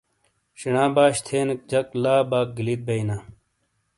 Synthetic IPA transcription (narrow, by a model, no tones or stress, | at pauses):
ɕiɳãːbaːɕt̪ʰeːnɐk̚d͡ʑɐklaːbaːk̚ɡilit̪̚bɐinaː